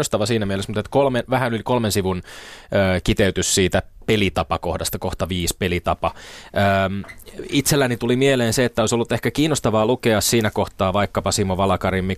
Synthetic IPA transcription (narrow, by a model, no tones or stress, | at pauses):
ost̪ɑʋɑsiːnæmielesmut̪et̪kolmenʋæhænolʲkolmensiʋunəːkit̪eyt̪yssiːt̪æpelit̪ɑpɑkohdɑst̪ɑkoht̪ɑʋiːspelit̪ɑpɑəːmit̪selːænit̪ulimieleːnseet̪ːæoisolːut̪ːehkækiːnːost̪ɑʋɑːlukeɑssiːnækoht̪ɑːʋɑikːɑpɑsimoʋɑlɑkɑɾimːi